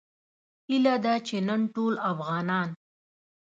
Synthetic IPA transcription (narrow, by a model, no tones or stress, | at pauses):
ilad̪at͡ʃenənʈolafɣɑnɑn